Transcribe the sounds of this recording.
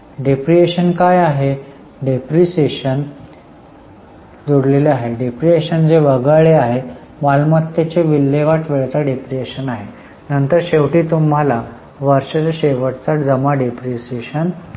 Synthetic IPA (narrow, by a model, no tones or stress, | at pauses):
ɖepɾieɕənkajaɦe | ɖepɾiseɕən | d͡zoɽleleaɦeɖepɾieɕənd͡zeʋəɡəɭeaɦe | malmət̪ːet͡ɕeʋilːeʋaʈʋeɭt͡saɖepɾieɕənaɦe | nənt̪əɾɕeʋʈiːt̪um̤ala | ʋəɾɕat͡ɕaɕeʋəʈt͡saʈd͡zəmaɖepɾiseɕən